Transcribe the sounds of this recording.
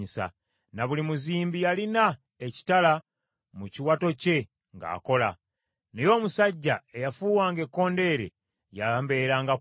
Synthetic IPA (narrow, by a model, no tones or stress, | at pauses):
isa̰ | naβulimuziːmbijalina | eci̥tala | muciwato̞ce̞ | ŋɡa̰ːko̞la̰ | ne̞jo̞ːmusaɟːaejafuːwaːŋɡe̞kːo̞ːnde̞ːɾe̞̰ | jambe̞ɾaːŋɡa